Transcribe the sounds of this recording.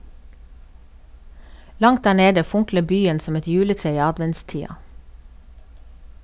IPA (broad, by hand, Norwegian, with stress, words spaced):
ˈlɑŋt ˈdæː ˈɳeːdə ˈfʊŋklə ˈbyːən ˈsɔm ˈɛt ˈjʉːləˌtɹeː ˈiː ˈɑdʋɛntˌstiːɑ